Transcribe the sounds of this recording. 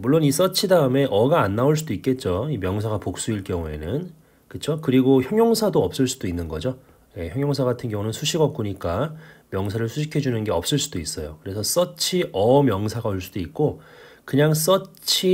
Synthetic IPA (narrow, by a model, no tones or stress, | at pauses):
muɭːonis͈ʌt͡ɕʰidaɯme̞ʔʌɡaːnːaoɭs͈udoik͈e̞t̚t͡ɕ͈oimjʌŋsʰaɡapok̚s͈uiɭk͈jʌŋue̞̰nɯn | kɯt͡ɕʰokɯɾiɡoçjʌŋjʌŋsʰadoʌp̚s͈ɯɭs͈ud̥oinːɯnɡʌd͡ʑo | je̞çjʌŋjʌŋsʰaɡatʰɯnɡjʌŋunɯnsʰuɕʰiɡʌp̚k͈uɲik͈amjʌŋsʰaɾɯɭsʰuɕʰikʰe̞d͡ʑunɯnɡe̞ʌp̚s͈ɯɭs͈ud̥ois͈ʌjokɯɾe̞sʰʌs͈ʌt͡ɕʰiʔʌmjʌŋsʰaɡaoɭs͈ud̥oik̚k͈o | kɯɲaŋs͈ʌt͡ɕʰi